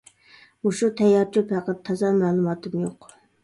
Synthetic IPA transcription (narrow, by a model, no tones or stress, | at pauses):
uʃut̪ʰɛjɑɾt͡ʃopæqɑt̪ʰːɑzɑmɛːlˠumɑːt̪ɨmjoq